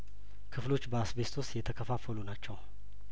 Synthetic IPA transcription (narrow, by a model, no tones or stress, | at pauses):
kʰɨflo̞t͡ʃːbəasbe̞st̪ʰost̪jɛt̪ʰəkʰəfafəlunat͡ʃːɛw